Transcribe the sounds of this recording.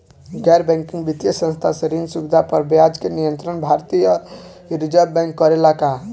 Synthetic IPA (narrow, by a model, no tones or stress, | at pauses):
ɡɛɾbɛ̃ŋkĩŋɡbit̪jəsə̃nst̪ʰaseɾinsubd̪ʱapəɾbjad͡ʒkenijənt̪ɾənbʱaɾt̪ijə | ɾid͡ʒəbbɛ̃ŋkːɔɾelaka